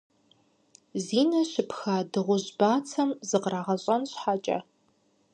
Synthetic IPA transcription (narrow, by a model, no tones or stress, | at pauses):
ziːnɐɕɪpxaːdɨʁʷʊʑbaːt͡sʰɐmzɨqraːʁɐɕʼɐnɕħaːt͡ʃʼɐ̰